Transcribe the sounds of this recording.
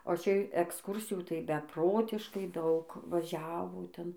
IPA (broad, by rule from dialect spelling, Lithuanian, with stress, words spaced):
oː ˈt͡ʃʲɛ ɛksˈkuːrʲsʲɪjuː tɐɪ bʲɛˈproːtʲɪʃkɐɪ ˈdɐʊk ʋɐˈʒʲæːʋoː ˈtʲɛn